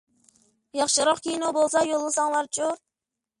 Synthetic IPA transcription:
jɑχʃɨɾɑqkʲʰijnobolˠsɑjolˠːɨsɑŋlˠɑɾt͡ʃʰʼuɾ

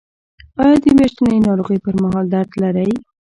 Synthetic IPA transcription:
ɑjɑd̪əmeʃt̪ənəjnɑɾoɣəjpəɾmaɦɑld̪aɾd̪laɾaj

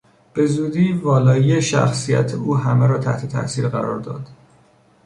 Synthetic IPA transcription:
b̥e̞zuːd̪iːvɒːlɒːieʃæ̰xsijæ̰t̪ʰeuːɦæmeɾɒːt̪ʰæ̰ht̪ʰe̞t̪ʰæ̰ʔsiːɾɣæɾɒ̰ːɾd̪ɒ̰ːd̪̥

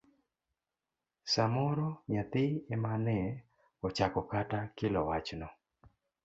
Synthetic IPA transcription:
samɔɾɔɲat̪ɪɛmanɛ | ɔt͡ʃakɔkatakɪlɔwat͡ʃnɔ

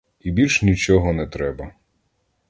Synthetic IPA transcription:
ibʲilʲʃnʲit͡ʃɔɦɔnɛt̪ɾɛbɐ

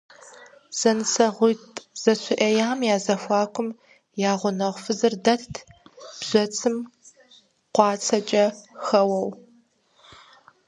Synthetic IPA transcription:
z̥ɐnɨsɐʁʷʊjtʼz̥ɐɕʷʰʊʔɐjaːmjaːzɐfʷɑːkʷʰʊm | jaːʁʷʊnɐʁʷfɨzɨrdɐɬtʰb̥ʑ̥ʷɔt͡sʰɨm | qʷɑːt͡sʰɐt͡ʃʼɐxɐwɐw

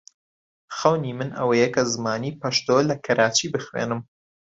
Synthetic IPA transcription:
xɐwnimɨnɐ̰wɐjekʰɐzɨmaːniːpɐʃt̪olɐkʰɐɾaːt͡ʃiːbɨxwḛːnɨm

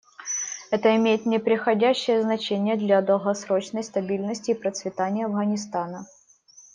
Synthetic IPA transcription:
ɛt̪əɪmʲejɪt̪nʲɪpɾʲɪxɐdʲæɕːɪjəznɐt͡ɕenʲɪjəd̪lʲɐd̪əlˠɣɐsɾo̞t͡ɕnəjst̪ɐbʲilʲnəsʲtʲɪːpɾət̪svʲɪt̪anʲɪjɐvɣənʲɪst̪anə

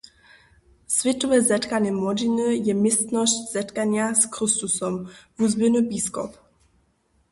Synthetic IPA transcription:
svʲɛt̪ɔvɛzɛt̪kaɲɛmɔdinəjɛmɪst̪nɔscz̥ɛt̪kaɲjaskrɪst̪usɔmvuzbɪnubiskɔ̰p

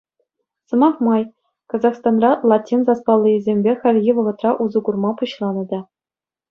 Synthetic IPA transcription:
sɤ̆mɑχmɑj | kɑzɑχst̪ɑnrɑlˠɑtʲːinzɑspɑlˠːɤizʲemʲbʲeχʲɘ̆lʲɣʲiʋɤ̆ʁɤ̆t̪rɑʔuzuɡurmɑpuɕlˠɑnɤ̆d̪ɑ

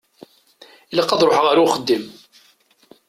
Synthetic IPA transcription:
iləqːɑðˤɾˤoħəʁaɾawχəd̪ːim

